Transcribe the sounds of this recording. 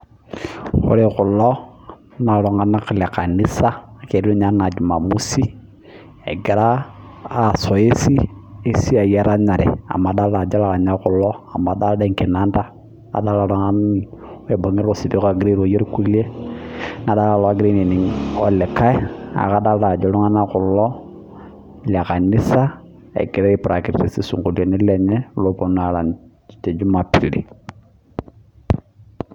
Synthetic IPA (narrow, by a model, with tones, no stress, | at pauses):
kʊ̰˦ɾe˦kʊ˨lɔ˦ | na˨lɔ˨ŋa˦na˦ka˨le˨ka˨ni˦sa˦˨ke˨du˦ɲa˦na˨d͡ʒu˨ma˨mu˦si˦ | ḛ˨ɡɪ˨ɾaː˦˨ | sɔ˨e˦si˦e˦si˦a˨jɛ˦ɾa˦ɲa˨ɾʔɛ̰˨a̰˨ma˨da˦lda˨d͡ʒa˦la˨a˨ɲa˦kʊ˨lɔ˦a˨ma˨da˦lde˨ŋki˨na˦nda˦ | a̰˨da˦la˨lɔ˨˦ŋa˦n˦ | e˨bo˨ŋi˦ɾʊ˨si˨bi˦ka˨ɡɾi˦ɾo˨je˦ɾku˦le˦ | na˨da˦la˦˨lɔ˦a˦ɡɾi˦ni˨ni˨ŋɔ˨lɛ˨ka˦ja̰˨ka˦da˦lda˨d͡ʒɔ˨lɔ˦ŋa˦na˦kʊ˨lɔ˦ | la˨ka˨nɪ˦sa˦ | ḛ˨ki˨ɾe˦ɪ˨pɾa˨ki˨ɾti˨si˦sṵ˨ŋku˨le˨ni˦le˨ɲɛ˦lo˦pu˨na˨la˨n | te˨d͡ʒu˦ma˨pi˨lḭ˨